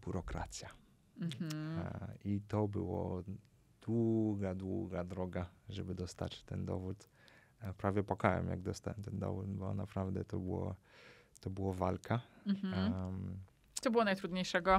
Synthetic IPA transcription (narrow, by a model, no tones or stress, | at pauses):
bʲjuɾɔkɾa̰t̪sʲja | it̪ɔbɘ̰wɔ̰ | d̪̥wuɡad̪wuɡad̪ɾɔɡaʐɛbɘd̪ɔst̪a̰t͡ɕt̪ɛnd̪ɔ̰vut̪ | pɾavʲjɛpɔkawɛ̰mja̰ɡ̚d̪ɔst̪awɛmt̪ɛnd̪ɔ̰vut̪bɔ̰napɾavd̪ɛt̪ɔbɘwɔ̰ | t̪ɔbɘwɔvalkʰa | t̪ɔbɘwɔnajt̪ɾud̪ɲejʂɛɡɔ